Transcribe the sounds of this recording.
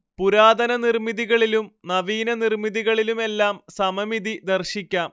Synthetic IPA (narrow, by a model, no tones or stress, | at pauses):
puɾaːd̪ɐnɐnirmiðiɣɐɭilumnɐʋiːnɐnirmiðiɣɐɭilume̞lːaːmsɐmɐmiðid̪ɐrɕikʲːaːm